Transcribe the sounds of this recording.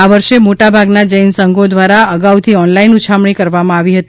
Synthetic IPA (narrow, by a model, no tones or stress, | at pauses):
aʋəɾʃemoʈabʱaɡnad͡ʒəjnsəŋɡod̪ʋaɾaəɡaut̪ʰiɔnlainut͡ʃʰamɳ̃ikəɾʋamãaʋiɦət̪i